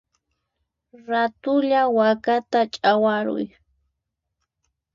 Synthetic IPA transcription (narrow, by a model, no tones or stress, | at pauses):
ɾat̪ʊʎawakat̪at͡ʃʼawaɾʊ̰j